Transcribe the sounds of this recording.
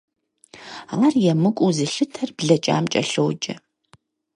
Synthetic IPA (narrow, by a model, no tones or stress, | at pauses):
alarjɛmɨkʷʼuzɨɬɨtʰɐrbɮɐt͡ʃʼa̰ːmt͡ʃʼɐ̰ɬowd͡ʒʼɐ̰